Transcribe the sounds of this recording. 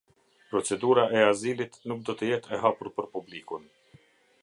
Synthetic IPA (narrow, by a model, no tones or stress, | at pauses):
pɾɔt͡sɛd̪uɾaʔɛazilit̪nuk̚d̪ɔt̪əjɛt̪ʰɛɦapuɾpəɾpublikun